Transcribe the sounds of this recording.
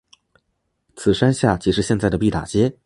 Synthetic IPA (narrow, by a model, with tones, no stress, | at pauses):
t͡sʰɹ̩˨˩ʂa˥nɕja˥˩t͡ɕʰi˧˥ʂɻ̩˥˧ɕjɛ˥˧nt͡sa˥˩ɪd̪ə˩pi˥˩t̪a̰˨˩t͡ɕjɛ˥